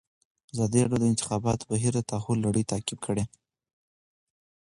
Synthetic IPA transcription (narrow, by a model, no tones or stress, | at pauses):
azɑd̪iɾɑɽjod̪əɪnt̪ɪ̥xɑbɑt̪baɦiɾd̪ət̪ɑxulːaɽəjt̪akɪb̚kʰəɽe